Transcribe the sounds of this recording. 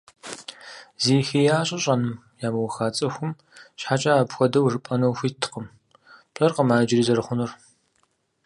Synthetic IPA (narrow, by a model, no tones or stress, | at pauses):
ziːxiːjaːɕʼɐɕʼɐnɨm | jaːmɐwɐxaːt͡sʼɐxʷʊm | ɕħat͡ʃʼaːpxʷɔdɐwʐɨpʼɐnɐwxʷiːtʰɨ̥qəm | pʼɐrqəmaːd͡ʒɪriːzɐɾɨχʷʊnɨr